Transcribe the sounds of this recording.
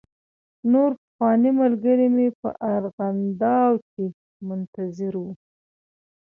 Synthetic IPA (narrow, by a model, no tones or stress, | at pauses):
noɾpəxwɑnimalɡəɾimepə̰ʔaɾɣand̪ɑwke | mʊnt̪azɪɾwu